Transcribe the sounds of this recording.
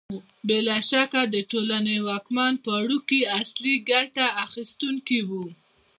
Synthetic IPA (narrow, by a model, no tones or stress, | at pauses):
belɑʃakad̪əʈolanəjwɑkmɑnpəɽukiasliɡaʈaaxist̪uŋkiwu